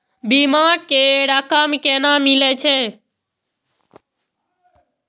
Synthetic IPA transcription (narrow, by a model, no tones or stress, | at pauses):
biːmãːkeːɽaːkaːmkeːnãːmileːt͡ʃʰeː